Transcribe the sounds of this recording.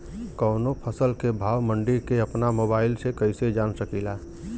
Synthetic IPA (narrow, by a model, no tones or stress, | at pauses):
kəːnopʰəsəlkebʱaːwməɳɖiɾkeəpnamoːbaːɪlsekəɪsed͡ʒaːnsəkila